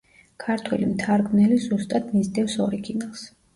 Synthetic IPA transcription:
kʰaɾt̪ʰwɛ̰limt̪ʰaɾɡnɛlizust̪ʼad̪nizd̪ɛfsɔɾiɡinalˠs

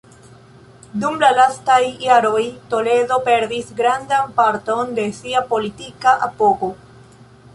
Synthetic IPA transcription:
dumlalastajːaɾo̞jt̪o̞le̞do̞pe̞ɾdisɡɾand̪ampaɾto̞nd̪e̞siapo̞litikaʔapoko

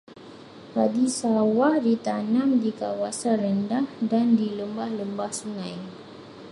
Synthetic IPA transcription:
padisawahdit̪anamdikawasanɾəndahdandiləmbahləmbahsuŋãj

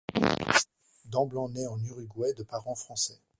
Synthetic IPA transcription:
d̪ɑ̃blɑ̃nɛɑ̃nyʁyɡwɛd̪əpaʁɑ̃fχɑ̃sɛ

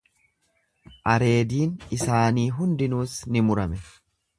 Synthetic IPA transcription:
ʔɐɾe̞ːd̪iːnɪsaːniːɦʊnd̪ɪnuːsnɪmʊɾɐmɛ

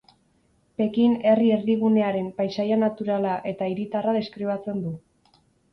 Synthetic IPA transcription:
pe̞kine̞rie̞ɾðiβune̞aɾe̞mpajsajanat̪uɾalaʔe̞t̪aiɾit̪araðe̞skɾiβat͡se̞nd̪u

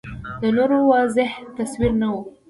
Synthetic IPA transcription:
d̪ənoɾowɑzɪht̪aswiɾnawu

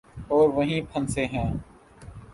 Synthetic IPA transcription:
ɔːɾʋəɦĩːpʰə̃nseːɦɛ̃ː

